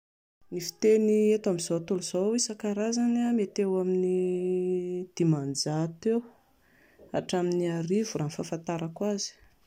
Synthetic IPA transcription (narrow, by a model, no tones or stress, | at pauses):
nifi̥t̪eniet̪amizot̪uluz̥oisakaɾazanamet̪ewamini | d̪̥imand͡zat̪ew | a̰ʈ͡ʂaminiaɾivuranfafant̪aɾakwazi̥